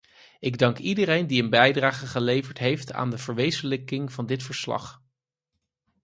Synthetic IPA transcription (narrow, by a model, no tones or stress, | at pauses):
ɪɡdɑŋkidərejndiənbɛjdraːχəχəlejvəɹtɦejfta̰ːndəvəɹʋejzənləkɪŋv̥ɑndɪtfəɹslɑ̰χ